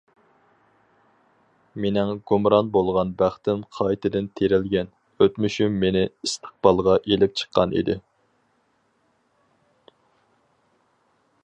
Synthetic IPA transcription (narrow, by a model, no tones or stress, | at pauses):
menɪŋɡumɾɑnbolˠʁɑnbæχt̪ɪnqʰɑjt̪ʰɪd̪ɪnt̪ʰeɾɪlɡʲɛn | øt̪myʃymːenɪist̪ʰə̥q̚bɑlˠʁɑʔelɪp̚t͡ʃʰə̥qʰːɑnḭd̪ɪ